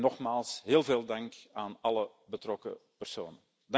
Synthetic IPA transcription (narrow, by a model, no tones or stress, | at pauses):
nɔχmaːlˠsɦeːlˠveːlˠdɑŋkaːnɑlə | bətrɔkə̰pərso̰ːnən | d